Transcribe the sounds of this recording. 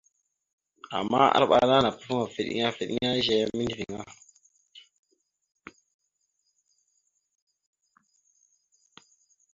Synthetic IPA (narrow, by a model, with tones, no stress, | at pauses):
a̰˨mːa˦a̰˦ɾɓa˨na˦na˨pu˦fu˦ŋa˨fi˨ɗḭ˦a˦fi˨ɗḭ˦a˦ʒe˦mi˦ndi˨vi˨ŋa˦